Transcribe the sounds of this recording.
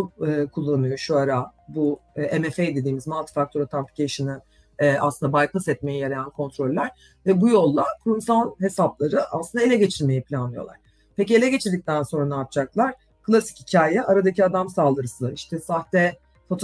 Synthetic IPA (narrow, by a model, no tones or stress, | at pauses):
ɯkʰulˠːanɯjo̞ʃuaɾabuʔemefejd̪e̞d̪iːmizmalˠt̪ʰi̥fak̚t̪ʰoɾat̪ʰampi̥cʲʰeʃɯni | ɛa̰slˠɯnd̪abajklɯsɛt̪̚me̞jijaɾajankʰo̞nt̪ʰɾo̞lʲːæɾ̥ | vɛbujo̞lˠːakʰuɾumsalˠhe̞saplˠaɾɯʔa̰slɯnd̪ae̞lʲɛɟe̞t͡ʃʰiɾme̞jipʰlʲanlˠɯjo̞lˠa̰ɾ̥ | pecie̞lʲɛɟe̞t͡ʃʰiɾd̪ic̚t̪ʰænso̞nɾanaɾt̪̚t͡ʃaklˠaɾ̥ | kʰɯlˠasi̥chicʰaːjɛʔaɾad̪acʰiad̪amsaːlˠd̪ɯɾɯsɯlˠaɾiʃt̪ʰɛsaht̪ɛ | fot̪ʰ